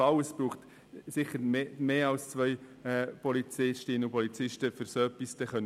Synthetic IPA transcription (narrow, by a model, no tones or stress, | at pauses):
ɑləsb̥ɾuːχt | sɪχəɾmeːɑlst͡sʋœʏ | ɛpɔlit͡sɪʃtɪnəupɔlit͡sɪʃtəfʏɾsœpːistəχœn